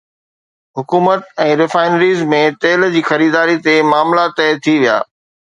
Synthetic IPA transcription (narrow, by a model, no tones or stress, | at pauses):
ɦʊkuːmət̪ɛ̃ːɾɪfaːɪnəɾiːzmẽt̪eːld͡ʑiːxɐɾiːd̪aːɾit̪emaːmlat̪ɛːt̪ʰiʋija̰ː